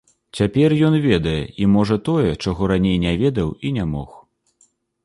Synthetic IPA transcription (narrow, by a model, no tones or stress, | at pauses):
t͡sʲapʲɛrjɔnvʲɛd̪ɐjɛ̰imɔʐɐt̪ɔjɛt͡ʂaɣɔɾanʲejnʲɛvʲɛd̪ɐwinʲamɔ̰x